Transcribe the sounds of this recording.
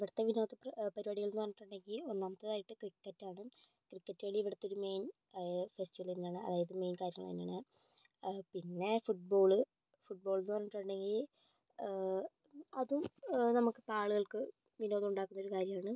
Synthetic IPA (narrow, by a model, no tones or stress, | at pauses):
ʋiɽɐt̪ːeʋino̞ːðɐppɐɾubaɽiɣɐɭunːɨʋɐrɲːiʈːuɳɖe̞ŋɡilo̞nːaːmɐt̪ːeðaːjiʈːɨkrikːɐtːaːɳɨ | krikːɐtːeɭiʋiɽɐt̪ːeoɾume̞jn | festiʋɐlinːaːɳɨɐ̰ðaːjɐðɨme̞jnkaːɾjɐŋːɐɭinːaːɳɨ | pinːe̞fuʈ̚bo̞ːɭɨ | fuʈ̚bo̞ːɭunːɨʋɐrɲːiʈːuɳɖe̞ŋɡil | ɐðumnɐmukːɨpaːɭuɣɐɭkɨ | ʋinoːðɐmuɳɖaːkːunːɐo̞ɾukaːɾjɐmaːɳɨ